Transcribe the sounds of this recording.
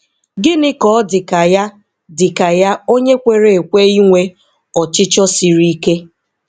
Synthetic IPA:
ɡɪ˦nɪ˦kɔ˦dɪ˨ka˨ja˦ | dɪ˨ka˨ja˦o˦ɲe˦kʷe˨ɾe˨e˨kʷe˦i˦ŋʷe˦ | ɔ˨t͡ʃɪ˦t͡ʃɔ˦si˨ɾi˦ke˦

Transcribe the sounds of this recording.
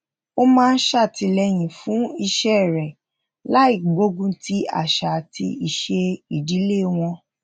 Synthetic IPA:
o˦mãː˦˧n̩˦ʃa˦˨ti˧lɛ˧j̃ĩ˨fũ˨˦i˧ʃɛ˦˨ɾɛ˨ | la˨˦i˦˨ɡ͡bo˨˦ɡũ˧ti˦a̰˦˨ʃa˨ti˧i˨ʃe˧i˨di˨˦le˦˨w̃ɔ̃˧

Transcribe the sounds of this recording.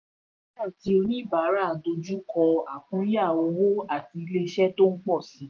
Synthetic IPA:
ĩ˦da˦˨ti˨˦o˧nĩ˦˨ba˨˦ɾa˦˨do˧d͡ʒu˦kɔ˧a˨kũ˨˦ja˦˨o˧wo˦a˨ti˧le˧˦ʃɛ˦to˦ŋ̩˦k͡pɔ˦˨si˨˦

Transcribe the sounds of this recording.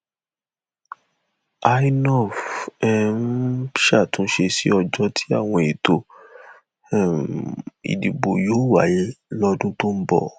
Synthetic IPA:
a˧˦i˦nɔ˦˨fɛ˧n̩˦ʃa˦˨tũ˨˦ʃe˧si˦ɔ˧d͡ʒɔ˧tʰi̥˦a̰˦˨w̃ɔ̃˧e˨to˧˦˨ | ḭ˨di˨bo˨jo˨˦wa̰˨je˦lɔ˧dũ˦to˦m̩˦bɔ̰˦˨

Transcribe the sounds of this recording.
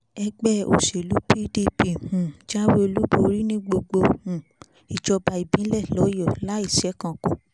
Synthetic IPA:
ɛ˧ɡ͡bɛ˦˨o̰˨ʃe˨lu˨˦pi˦di˦pi˦˨hũ˨d͡ʒa˦we˦e˧lu˦bo˨˧ɾi˦nĩ˦ɡ͡bo˧ɡ͡bo˧hũ˨ | i˨d͡ʒɔ˧ba˧i˨bĩ˨˦lɛ˦˨lɔ˨˦jɔ˦˨la˦i˦˨ʃɛ˨˦kã˨ko˨

